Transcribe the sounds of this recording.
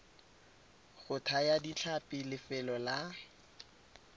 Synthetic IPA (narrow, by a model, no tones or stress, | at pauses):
ɣʊtʰajadit͡ɬʰapʼɪlɪfɛlɔla